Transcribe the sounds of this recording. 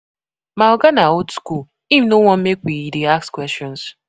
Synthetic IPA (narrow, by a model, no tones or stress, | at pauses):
maʊɡanaotskul | ivnowɔ̃m̩mekʷidiakskwɛst͡ʃɔ̃ns